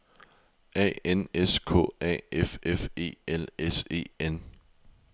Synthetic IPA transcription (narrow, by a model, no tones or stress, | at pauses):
ɛ̰ːeneskʰo̰ːɛ̰ːefefe̝̰ːelese̝̰ːen